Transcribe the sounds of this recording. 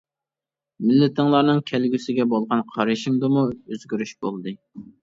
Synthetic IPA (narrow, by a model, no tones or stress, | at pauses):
mɪlːɪt̪ʰɨŋlˠɑɾnɨŋkʲʰɛlɡʲysɪɡʲɛbolˠʁɑnqʰɑɾiʃɪŋd̪ɨmuøzɡʲyɾyʃbolˠd̪ɨ